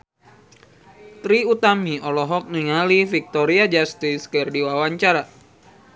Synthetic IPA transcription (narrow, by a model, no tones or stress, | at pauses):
t̪ɾiut̪amiɔlɔɦɔk̚niŋalifik̚t̪ɔɾiad͡ʒast̪iskɨrdiwawaɲt͡ʃaɾa